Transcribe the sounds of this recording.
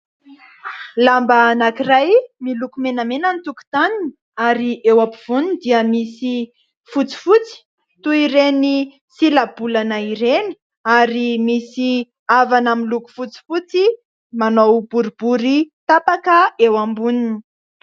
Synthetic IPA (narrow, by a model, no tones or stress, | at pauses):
lambanakirajmilukumenamenənt̪uku̥t̪anini | aɾiʔewapiv̥unind̪iəmisi | fut͡si̥fut͡si̥ | t̪uiɾeni | silabulanaiɾeni̥ | aɾimisi | avanamiluku̥fut͡si̥fut͡si | manowb̥uɾibuɾit̪apakəewambunini̥